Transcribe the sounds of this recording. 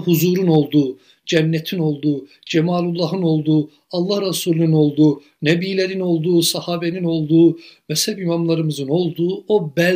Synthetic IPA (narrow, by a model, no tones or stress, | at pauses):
ɦuzuɾuno̞lˠd̪u | d͡ʒænːɛt̪ʰino̞lˠd̪u | d͡ʒɛmɑːlˠulˠːɑɦɯno̞lˠd̪u | ɑlˠːɑhɾɑsuːlʲˠinino̞lˠd̪u | næbiːlæɾino̞lˠd̪usɑhɑːbɛnino̞lˠd̪umæshæbimɑmlˠɑɾɯmɯzɯno̞lˠd̪uobæ